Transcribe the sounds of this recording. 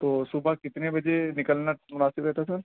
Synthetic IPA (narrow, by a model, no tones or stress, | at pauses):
t̪oːsʊbakɪt̪nebɐd͡ʒenɪkəlnamʊnaːsɪpɾɛɦt̪asɐɾ